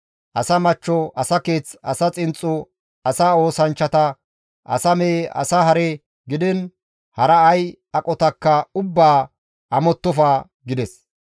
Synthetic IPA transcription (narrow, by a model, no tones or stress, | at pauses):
ʔɐsɐmɐt͡ʃːɔʔɐsɐke̞ːt͡sɐsɐt͡sʼɪnt͡sʼːʊ | ɐsaːo̞ːsɐnt͡ʃːɐt̪ɐ | ʔɐ̰sɐmeʔɐ̰saɦɐɾɛ | ɡɪd̪ɪn | hɐɾɐːj | ɐkʼɔt̪ɐkːɐʊbːaː | ʔɐmɔt̪ːɔfaː | ɡɪd̪ɛs